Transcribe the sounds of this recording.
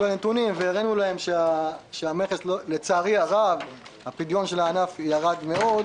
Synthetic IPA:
benet̪unimveːʁenulahe̞mʃeaʃeameχesllet͡saːʁiaʁavhapid̪jo̞nʃe̞laːnafjaʁad̪me̞o̞d̪

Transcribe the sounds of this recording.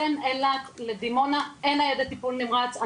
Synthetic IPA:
enelatled̪imo̞naenajed̪at̪ipulnimʁat͡sa

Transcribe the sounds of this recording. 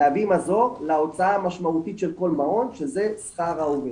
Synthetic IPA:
avimazo̞lao̞t͡saamaʃmaut̪it̪ʃelko̞lmao̞nʃezesχaʁaove

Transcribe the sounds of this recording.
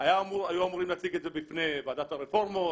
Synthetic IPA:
ajamuajuamuɾimlaːt͡siɡetzebifnebad̪at̪aɾefoʁmo

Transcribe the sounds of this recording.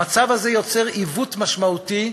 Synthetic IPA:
at͡savazejo̞t͡seʁivut̪maʃmaut̪i

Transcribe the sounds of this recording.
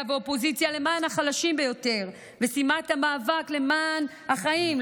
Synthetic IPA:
aveo̞po̞zit͡sjale̞maːnhaχalaʃimbe̞jo̞te̞ʁ | ve̞simathamaːvakle̞man | haχaim

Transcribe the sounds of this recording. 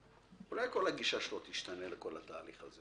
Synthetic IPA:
ulajko̞lhaɡiʃaʃelot̪iʃt̪aneleko̞lat̪aːliχaze

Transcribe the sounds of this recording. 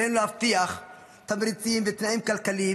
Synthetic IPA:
henulhaft̪iaχ | t̪amɾit͡simvet̪naʔimkalkali

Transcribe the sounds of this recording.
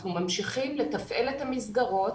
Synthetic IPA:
numamʃiχimlet̪afʔelethamisɡaʁo̞t

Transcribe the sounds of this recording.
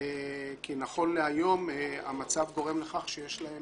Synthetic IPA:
kinaχo̞nleajo̞ma̰mat͡savɡo̞ʁe̞mle̞χaχʃejeʃlaem

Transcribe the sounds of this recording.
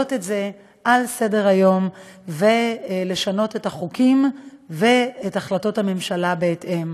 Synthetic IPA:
otetze̞ | ʔalse̞de̞ʁajo̞mve̞le̞ʃano̞tetaχukimve̞etaχlato̞thame̞mʃalabeːte̞m

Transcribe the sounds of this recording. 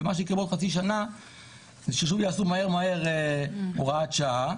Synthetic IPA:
emaʃeikebodχat͡siʃ̬ana | ʃeʃuvjaasumahe̞ʁmaeʁeoʁaat͡ʃa

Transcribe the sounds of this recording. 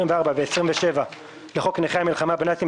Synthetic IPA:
imveaʁbaveːsʁimveʃe̞va | leχokneχeamilχamabnatim

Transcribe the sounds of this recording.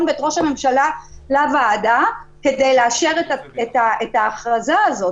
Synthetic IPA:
nbeet̪ʁo̞ʃame̞mʃalalavaːdakedejleaʃeʁetaetaetaːχʁazaːzo̞

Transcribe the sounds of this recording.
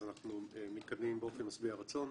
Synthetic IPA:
zanaχnuemit̪kad̪mimbeo̞fe̞nmasbiaʁat͡so̞n

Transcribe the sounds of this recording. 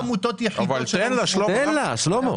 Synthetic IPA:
mut̪ot̪jaħivalenlaʃloenlaʃlomo

